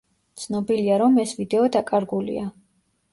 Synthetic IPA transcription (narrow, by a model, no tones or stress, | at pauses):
t̪sʰnɔbiliaɾɔmɛsvid̪ɛɔd̪akʼaɾɡulḭa